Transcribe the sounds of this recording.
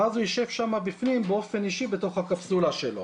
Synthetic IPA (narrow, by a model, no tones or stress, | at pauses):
azujiʃe̞vʃamabifnimbeo̞fe̞niʃibe̞to̞χhakapsulaʃelo̞̰